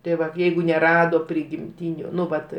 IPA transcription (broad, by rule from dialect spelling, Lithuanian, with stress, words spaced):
tɐɪ ˈʋɐt ˈjɛɪɡʊ nʲɛˈrɑːdoː pʲrʲɪɡʲɪmʲˈtʲiːnʲʊ ˈnʊ ˈʋɐt